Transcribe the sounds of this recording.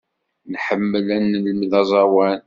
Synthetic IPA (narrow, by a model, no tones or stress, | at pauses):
nħəmːəlænːələmðɑzˤɑwæn